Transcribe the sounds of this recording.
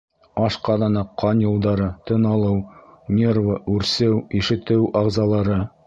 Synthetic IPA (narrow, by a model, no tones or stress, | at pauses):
ɑʃqɑðɑnɑqʰːɑnjulˠd̪ɑɾɤt̪ɤ̆nɑlˠɤwnʲervəʔʉɾsɘwiʃɘ̆t̪ɘwɑʁzɑlˠɑɾɤ